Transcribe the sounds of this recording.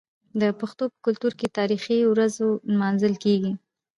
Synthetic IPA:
d̪əpaxt̪opə̥kʊlt̪uɾket̪ɑɾixiwɾazonmɑnzəlkeɡi

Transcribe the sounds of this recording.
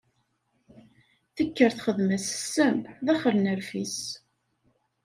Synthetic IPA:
θəkːəɾθχəðməssːəmðæχəɾnəɾfis

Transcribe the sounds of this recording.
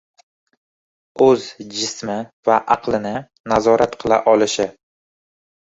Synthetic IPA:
ɵzd͡ʒɪsmɪvaʔɑqlˠɪnɪ | nazɒɾat̪qʰɨlˠa̰ʔɒlɪʃɪ

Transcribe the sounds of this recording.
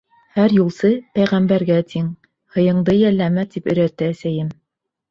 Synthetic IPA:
hæɾjulˠsɤpæjʁæmbæɾɡæt̪ʰiŋ | hɤ̆jɤ̆ɴd̪ɤjælːæmæt̪ipɵ̆ɾæt̪ːɘæsæjɘm

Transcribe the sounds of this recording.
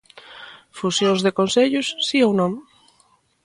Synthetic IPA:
fusjõŋzðekonseʎʊsːiownõŋ

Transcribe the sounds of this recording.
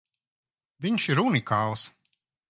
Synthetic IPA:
vʲiɲʃiɾunikʰaːlˠs

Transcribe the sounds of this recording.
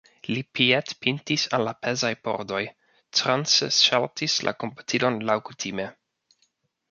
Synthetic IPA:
lipietpintisanlapʰe̞zajpo̞̰ɾdo̞j | tɾanseʃaltislʔa̰ko̞mpḁtʰilo̞nlawkutʰime̞

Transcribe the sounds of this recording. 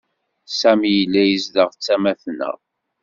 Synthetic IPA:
sæmjəlːæjəzðəʁt͡sːæmæθnə̰ʁ

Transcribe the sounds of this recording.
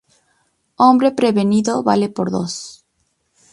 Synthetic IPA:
õmbɾepɾeβeniðoβalepoɾðo̰s

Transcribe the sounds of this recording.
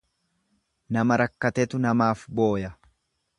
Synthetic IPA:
nɐmɐɾɐkːɐt̪ɛt̪ʊnɐmaːfbo̞ːjɐ

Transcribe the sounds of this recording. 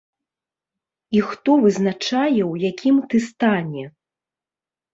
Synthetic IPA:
ixt̪ɔvɨznat͡ʂajɛwjakʲʰimt̪ɨst̪anʲɛ

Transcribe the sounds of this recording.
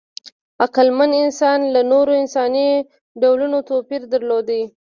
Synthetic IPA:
aqalmanɪnsɑnlanoɾoɪnsɑni | ɖawlunot̪opiɾd̪aɾlod̪awi

